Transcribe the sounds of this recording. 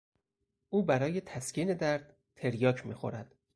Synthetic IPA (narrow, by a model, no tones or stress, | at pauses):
ʔuːbæɾɒːje̞t̪ʰæscʰiːne̞d̪æɾd̪̥ | t̪ʰːe̞ɾjɒːcʰmḭːxo̰ɾæd̪̥